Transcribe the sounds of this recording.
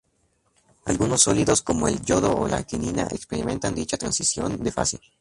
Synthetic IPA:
alɣunosːoliðosko̞moeld͡ʒoðoolakininaʔekspeɾimẽ̞nt̪and̪it͡ʃat̪ɾansisjo̞nd̪e̞fa̰si

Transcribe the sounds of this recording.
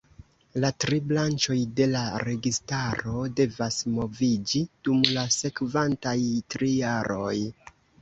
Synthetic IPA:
latɾiblant͡ʃo̞jde̞laɾe̞ɡistaɾo̞de̞vasmo̞vid͡ʒid̥umlase̞kvantajtɾijaɾo̞̰j

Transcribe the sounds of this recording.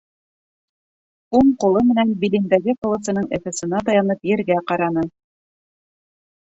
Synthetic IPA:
uɴqŏlˠɤmɘ̆nænbilʲind̪æɡɘkŏlˠɤ̆sɤ̆nɤɴæ̰fæ̆sɤ̆nɑt̪ɑjɑnɤpjɘ̆ɾɡæqɑɾɑnɤ

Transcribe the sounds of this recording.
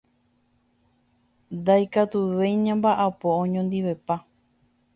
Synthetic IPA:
nd̪ajkat̪uʋejɲãmbaʔapoõɲõnd̪iʋe̞pa

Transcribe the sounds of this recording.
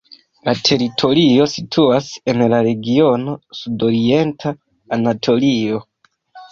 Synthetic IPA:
latʰe̞ɾitʰo̞ɾio̞sitʰuase̞nlaɾe̞ɡio̞no̞sudo̞ɾie̞ntʰaː | natʰo̞lio̞

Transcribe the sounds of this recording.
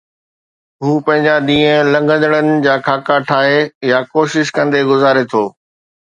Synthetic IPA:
ɦũːpɐ̃ɦɪ̃ɲd͡ʑaɗ̪ĩːə̃lɐ̃ŋɡə̃nd̪əɽ̃ənɪ̆d͡ʑaːkʰaːkaʈʰaːɦejakoːʃɪʃkɐ̃nd̪eɡʊzaːɾet̪ʰoː

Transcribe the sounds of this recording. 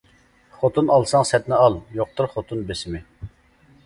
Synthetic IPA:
χot̪ʰunɑlˠsɑŋsɛt̪nɪɑlˠjoq̚t̪ʊɾχot̪ʰunbesɪmɪ

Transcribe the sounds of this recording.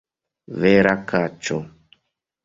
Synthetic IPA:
vɛɾakat͡ʃɔ

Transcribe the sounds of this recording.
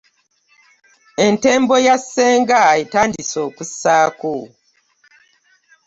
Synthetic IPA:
ente̞ːmbo̞jasːe̞ːŋɡaitaːndiso̞ːkusaːko

